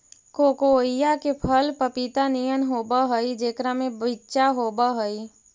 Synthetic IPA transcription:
koːkoːijakepʰəlpəpit̪anijənɦoːbəɦəid͡ʒeːkɾamẽbɪtːʃaɦoːbəɦəi

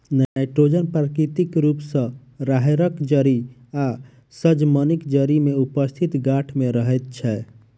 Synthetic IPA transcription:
najʈɾod͡ʒənpɾəkɾit̪ikɾupsə̃ | ɾaɦeɾəkd͡ʒəɾi | a | səd͡ʒmənikd͡ʒəɾimeupəst̪ʰit̪ɡaʈʰmeɾəɦɛt̪̚t͡ʃʰɛ

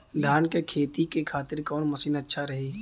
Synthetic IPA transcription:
d̪ʱaːnkekʰeːt̪ikekʰaːt̪ɪɾkɔːnmɐsiːnɐtːʃʰaɾɐɦe

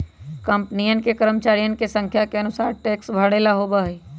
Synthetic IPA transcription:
kəmpnijən̆kekəɾəmt͡ʃaːɾijən̆kesə̃ŋkʰjakeənʊsaːɾʈeːksbʱəɽelaɦobəɦe

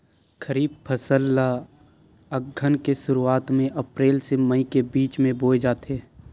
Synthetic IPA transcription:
kʰəɾiːb̚pʰəsəlːa | əɡʱːənkeʃʊɾuaːt̪mẽʔɐpɾeːlseməikebiːt͡ʃmẽboːed͡ʒaːt̪eː

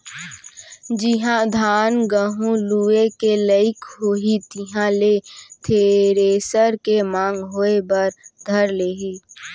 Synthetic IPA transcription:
d͡ʒɪɦãd̪ʱaːnɡəɦũluːekeləɪkɦoːɦit̪ɪɦãlet̪ʰeːɾeːsəɾkemãːŋɡɦoːebɐɾd̪ʱəɾleːɦi

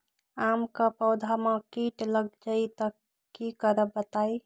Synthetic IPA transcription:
amkapəʊd̪ʱamãkiʈləɡd͡ʒait̪ək | kːikəɾəbət̪ai

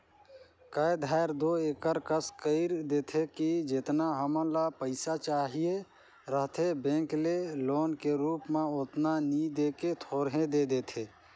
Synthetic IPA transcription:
kəjd̪ʱaːɪɾd̪oeːkəɾkəskəɪɾd̪eːt̪ʰekid͡ʒɪt̪naɦəmə̃lapəɪsat͡ʃaːɦie | ɾəɦt̪ʰebẽːŋkleloːnkeɾuːpmẽot̪nanid̪eːket̪ʰoːɾɦẽd̪ed̪eːt̪ʰeː

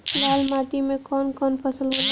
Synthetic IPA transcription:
lalmaʈimekɔnkɔnpʰəsəlɦol

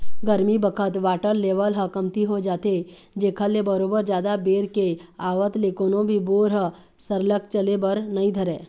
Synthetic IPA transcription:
ɡəɾmibəkʰət̪ʋaːʈəɾːeːʋəlɦəkəmt̪iɦod͡ʒaːt̪e | d͡ʒeːkʰəlebəɾoːbəɾd͡ʒjaːd̪abeːɾkeaːʋət̪lekoːnõbʱiboːɾɦə | səɾlək̚t͡ʃəlebəɾnɐɦĩd̪ʱəɾẽː

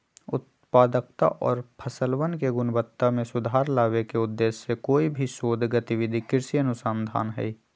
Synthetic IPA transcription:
ʊt̪̚ | paːd̪ək̚t̪a̰ʔɔːɾpʰəsəlwənkeɡʊnbət̪ːamẽsʊd̪ʱaːɾlaːʋekeʊd̪ːeːsːekoːibʱiʃoːd̪ʱɡət̪ɪʋɪd̪ʱikɪɾsiənʊsand̪ʱaːnɦɛ̰i

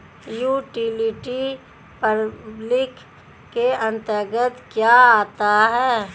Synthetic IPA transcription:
juːʈilɪʈi | pəblɪkː | eɐ̃nt̪əɾɡət̪kjaaːt̪aɦɛː

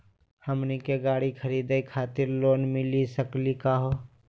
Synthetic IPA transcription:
həmnikeɡaːɽikʰəɾiːd̪eikʰaːt̪ɪɾloːnmɪlisəklikaɦoː

